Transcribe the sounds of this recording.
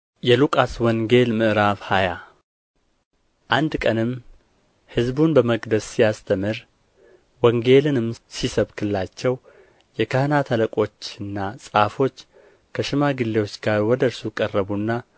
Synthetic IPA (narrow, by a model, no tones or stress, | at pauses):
jɛlukʼaswɔŋɡe̞lmɨʔɨɾaβhaja | ʔand̪kʼənɨm | hɨzbunbəməɡd̪əsːijast̪ʰəmɨɾ | wɔŋɡe̞lɨnɨmsisəβkʰɨlːat͡ʃːɛw | jɛkʰəhnat̪ʰələkʼo̞t͡ʃːɨnːasʼafo̞t͡ʃː | kʰəʃɪmaɡɨlːe̞wo̞t͡ʃːɡaɾwɔd̪əɾsukʼərːəβunːa